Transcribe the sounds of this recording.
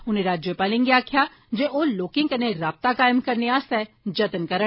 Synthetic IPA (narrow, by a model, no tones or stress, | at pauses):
ʊneɾaːd͡ʒjəpaːlĩŋɡeaːkʰja | d͡ʒeʔoloːkɪ̃ŋkɐneɾaːp̚t̪akaːjəmkɐɾneaːsɛ | d͡ʒɐt̪ənkɐɾə